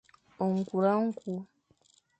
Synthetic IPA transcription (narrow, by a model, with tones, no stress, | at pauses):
o˨ŋ̩˨ku˨ɾa˦ŋ̩˦ku˨˦